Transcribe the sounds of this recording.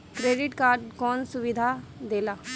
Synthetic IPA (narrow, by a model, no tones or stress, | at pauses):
kɾeːɖɪʈkaːɾɖkɔːnsʊʋɪd̪ʱaːd̪eːlaː